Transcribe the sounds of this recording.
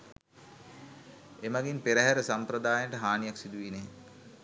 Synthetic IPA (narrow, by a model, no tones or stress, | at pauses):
emaɡinpeɾəɦæɾəsampɾəd̪aːjənʈəɦaːnijaksid̪uʋine